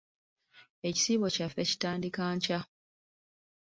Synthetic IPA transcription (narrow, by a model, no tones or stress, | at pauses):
e̞ci̥siːβo̞cafːeci̥taːndikaːɲca